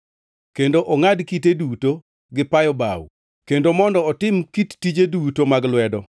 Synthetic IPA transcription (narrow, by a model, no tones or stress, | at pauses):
kendoʔɔŋadkiteduto | ɡɪpajɔba̰wṵ | kendomɔndɔɔtɪmkitːid͡ʒedutomaɡlwɛdɔ